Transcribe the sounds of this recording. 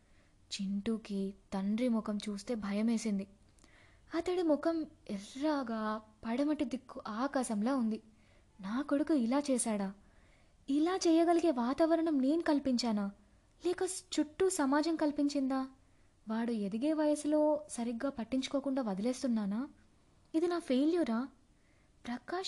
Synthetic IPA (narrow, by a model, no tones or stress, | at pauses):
t͡ʃiɳʈuːkit̪ɐɳɖɾimukɐmt͡ʃuːst̪e̞ːbʱɐjɐme̞ːsind̪i | ɐt̪ɐɽimukɐmɛlːaːɡaːpɐɽɐmɐʈːid̪ikːuʔaːkaːʃɐmloːund̪i | naːkoɽukuilaːt͡ʃɛːʃaːɽaː | ilaːt͡ʃɛːjɐɡɐliɡe̞ːʋaːt̪aːʋɐɾɐɳɐmne̞ːnikɐlpiɲt͡ʃaːnaː | lɛːkɐt͡ʃuʈːusɐmaːd͡ʒɐmkɐlpiɲt͡ʃind̪aː | ʋaːɽued̪iɡe̞ːʋɐjɐslo̞ːsɐɾiɡːaːpɐʈːiɲt͡ʃu̥ko̞ːkuɳɖaːʋɐd̪ɐle̞ːst̪unːaːnaː | id̪inaːpʰeːljuɾaː | pɾɐkaː